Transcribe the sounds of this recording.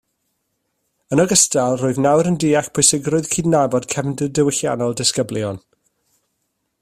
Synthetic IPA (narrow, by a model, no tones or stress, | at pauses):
ənɔɡəstalˠrʊːɨðnawɾəndiːaχpʰʊjsɪɡrʊɨðkʰiːdnabɔd̥kʰɛvndədəwɪɬja̰nɔlˠdɪskəbljɔn